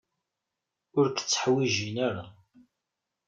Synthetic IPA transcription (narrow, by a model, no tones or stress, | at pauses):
ʊɾkt͡sːə̥ħwiʒinaɾa